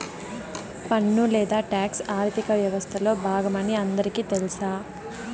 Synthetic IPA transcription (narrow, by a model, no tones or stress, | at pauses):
pɐɳːulɛːd̪aːʈaːksaːɾt̪ikɐʋjɐʋɐst̪ʰɐlo̞ːbʱaːɡɐmɐniɐnd̪ɐɾikit̪elusaː